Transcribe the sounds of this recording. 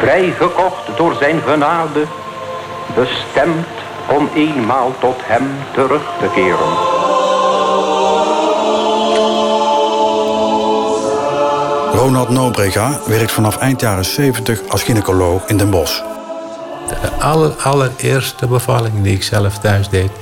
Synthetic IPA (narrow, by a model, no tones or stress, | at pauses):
vrɛjɣəkɔχtdʊːɹzɛjnɣənaːdə | bəstɛmt | ɔmeːnmaːlˠtɔthɛmtəɾɵχtəkɪːɾə̰n | rownɑlˠtnowbrɛɣaʋɛrk̚tfɑnɑfɛjntjaːrəsejvəntəχɑsχinəkolowxɪndənbɔs | d̥əʔɑlərɑlərɪːɹstəbəvɑlɪŋdiɪksɛləftœɥzdejt